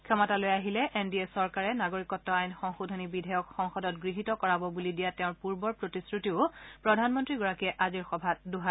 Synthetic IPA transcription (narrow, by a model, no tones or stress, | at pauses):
kʰɛmɔtalojaɦilɛʔendiesɔɹkaɹɛnaɡoɹikɔtːɔajnxɔŋxudʱɔnibidʱɛjɔkxɔŋxɔdɔt̚ɡɹiɦitɔkɔɹabɔbulidijatɛʊ̃ɹpuɹbɔɹpɹotisɹutiʊpɹɔdʱanmɔntɹiɡɔɹakiɛʔaziɹxɔbʱaduɦa